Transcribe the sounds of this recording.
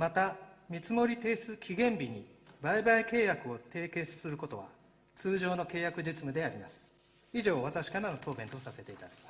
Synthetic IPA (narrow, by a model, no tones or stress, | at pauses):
mat̪amʲit͡sɨmo̞ɾʲit̪e̞ːsɨkʲʰiɡẽ̞mbʲiɲ̟i | baibaike̞ːjakɯ̟o̞t̪e̞ːke̞ːsɨ̥sɨɾɯ̟ko̞t̪o̞βa̰ | t͡sɨːʑo̞ːno̞ke̞ːjakɯ̟ʑit͡sɨmɯ̟d̪e̞aɾʲima̰sɨ̥ | iʑo̞ːβat̪aɕi̥kaɾano̞t̪o̞ːbẽ̞nt̪osase̞t̪e̞it̪ad̪akʲi̥mas